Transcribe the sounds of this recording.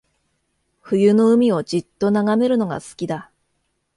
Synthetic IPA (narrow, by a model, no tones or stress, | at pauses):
ɸɯ̟jɯ̟no̞ɯ̟mʲio̞d͡ʑit̪ːo̞naɡame̞ɾɯ̟no̞ɡa̰sɨ̥kʲid̪a